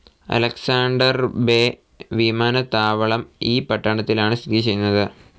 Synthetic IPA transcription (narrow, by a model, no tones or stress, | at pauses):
ɐ̰lɐksaːɳɖɐrbe | ʋimaːnɐt̪aːʋɐɭɐmiːpɐʈːɐɳɐt̪ːilaːɳɨst̪ʰitit͡ɕe̞junːɐðɨ